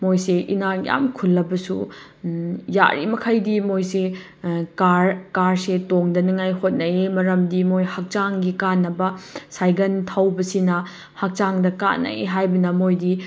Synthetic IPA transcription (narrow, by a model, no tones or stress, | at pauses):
mojseʔinaja̰mkʰulːɐbɐsu | ja̰ɾḭmɐkʰajdimojse | kaɾkaɾsetoŋdɐniŋajhot̚nɐemɐɾɐmdimojhɐk̚t͡ʃaŋɡikanːɐbɐsajɡɐntʰawbɐsinɐ | hɐk̚t͡ʃaŋdɐka̰nːɐ̰eɦajbɐnɐmojdi